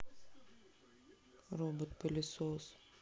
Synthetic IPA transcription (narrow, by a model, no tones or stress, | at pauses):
ɾɔːbot̪pɐlʲɪsoːs